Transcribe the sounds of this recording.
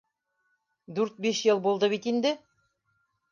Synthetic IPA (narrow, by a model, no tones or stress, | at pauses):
d̪ʉɾt̪̚biʃjɤlˠbulˠd̪ɤβit̪ind̪ɘ